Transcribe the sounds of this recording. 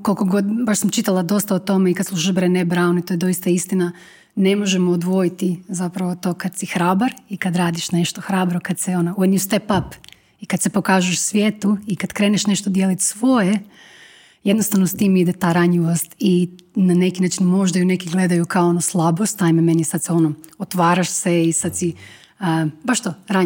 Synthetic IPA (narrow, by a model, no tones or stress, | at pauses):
kolko̞ɡo̞d̪baʃsamt͡ʃit̪alˠad̪o̞st̪aot̪o̞meikad̪slˠuʃiʃbɾenebɾaːnoit̪ojd̪o̞jist̪aist̪ina | ne̞mo̞ʒemoːd̪ʋo̞jit̪izapɾaʋot̪o̞ːkad̪sixɾaːbaɾikad̪ɾaːd̪iʃne̞ʃt̪oxɾaːbɾokad̪seo̞nauenjust̪epap | ikad̪sepo̞kaːʒujeʃsʋjet̪uikad̪kɾe̞ːneʃne̞ʃt̪od̪jelit̪sʋo̞je | jed̪nost̪aʋnost̪iːmid̪et̪aːɾaɲʎiʋost̪i | nanekinaːt͡ʃinmo̞ʒd̪ajune̞kiɡle̞d̪ajukaoonoslˠabost̪aimeme̞njesad̪seo̞noot̪ʋaːɾaʃseisad̪si | əbaʃt̪oɾaɲ